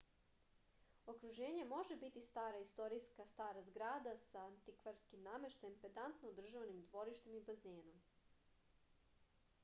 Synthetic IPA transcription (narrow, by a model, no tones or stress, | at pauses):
o̞kɾuʒe̞ːɲemo̞ʒe̞bit̪ist̪aːɾaist̪o̞ɾiskast̪aːɾazɡɾaːd̪asaːnt̪ikʋaɾskimnaːmeʃt̪empet̪ant̪nood̪r̩ʒaʋnimd̪ʋo̞ɾiʃt̪e̞mibazeːno̞m